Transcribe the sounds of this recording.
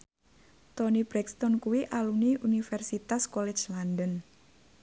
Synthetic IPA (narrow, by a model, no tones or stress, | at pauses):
t̪onibɾɛkst̪ɔnkuwiʔaluniʔunifɛrsit̪askɔlɛt͡ʃlandən